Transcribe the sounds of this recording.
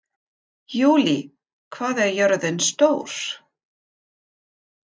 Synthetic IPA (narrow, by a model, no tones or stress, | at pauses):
juːli | kʰvaːðɛɾjœɾðɪnst̪oːwɾ̥